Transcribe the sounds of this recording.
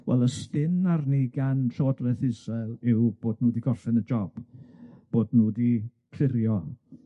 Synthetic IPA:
wɛ̰lˠəstɪnarniɡanɬoːdlɛθɪzɛlˠɪwb̥oːdnuːdiɡɔrθɛnəd͡ʒɔb̥b̥oːdnuːdikʰrɪɾjɔ

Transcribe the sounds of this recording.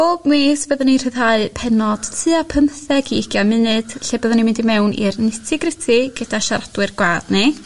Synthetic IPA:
obmeːsbəðənir̥ɨðhaɨpʰɛnɔd̥tʰɨapʰəmθɛɡiɪɡ̥jamɨnɨd̥ɬebəðanimɪndimɛwnḭrnɪtʰɛɡrɪtʰiɡ̥əd̥aʃaɾadwɨrɡwaːdni

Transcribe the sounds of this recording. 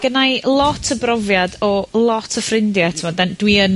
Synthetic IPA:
ɡ̥ənajlˠɔtʰəbrɔvjadɔlˠɔtʰəfrɪndjatʰɪmɔdɛndwiən

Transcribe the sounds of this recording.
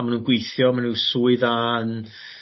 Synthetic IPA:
manuːnɡwejθjɔmanuwsuːɨðan

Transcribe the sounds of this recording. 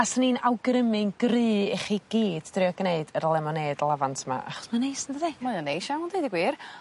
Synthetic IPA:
asəninawɡrəmɨŋɡrɨːɛχiɡ̥iːd̥drɪɔɡneɨdərlˠɛmɔneːdlˠavantʰma̰ʔa̰χmanejsəndədimɔjɔnejʃawndejdiɡwiːr

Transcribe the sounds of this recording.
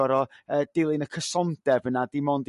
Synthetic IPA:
ɔɾɔəːd̥ɪlˠɨnəkʰəsɔnd̥ɛvənadɪmɔnd

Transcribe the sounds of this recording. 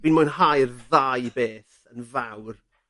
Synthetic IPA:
binmʊjnhajrðajbeːθ | ənvawr

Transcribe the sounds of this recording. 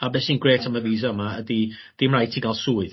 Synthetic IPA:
abɛsninɡreːtʰamaviːzɔmaədi | d̥imrajtʰiɡalˠsuːɨð̥

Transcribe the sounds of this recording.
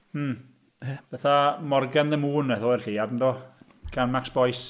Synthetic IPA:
m̩ː | b̥ɛθamɔrɡanðəmuːnɛθɔɛrɬiadn̩dɔ | kʰanmaksb̥ɔjs

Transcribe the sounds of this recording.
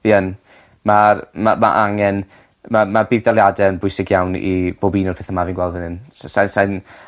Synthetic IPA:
viən | marma̰ma̰ʔaŋɛn | mamabivdalˠjadɛənbʊɨsɪɡjawnḭb̥obiːnɔpʰɛθəmaviːnɡwɛlˠdvənɪnssansajn

